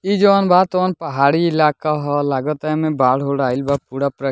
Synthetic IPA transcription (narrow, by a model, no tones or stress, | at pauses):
id͡ʒɔːnbaːt̪ɔːnpɐɦaːɽiɪlaːkaɦɔlaːɡət̪amẽbaːɽɦoɽaːilbaːpuːɽapɾə